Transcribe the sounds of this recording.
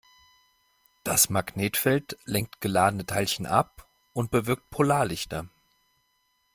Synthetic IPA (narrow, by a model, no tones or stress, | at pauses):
d̥asmaɡneːtfɛltlɛŋk̚tɡ̥əlaːdənətʰaɪlçən̩ʔa̰p̚ | ʔʊnt̚b̥əvɪɐk̚t̚pʰolaːɐlɪçtɐ